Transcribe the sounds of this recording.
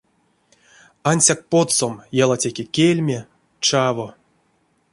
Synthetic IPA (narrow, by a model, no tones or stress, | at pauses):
anʲsʲak̚pot̪somjalˠatʲekʲekʲelʲmʲe | t͡ʃavo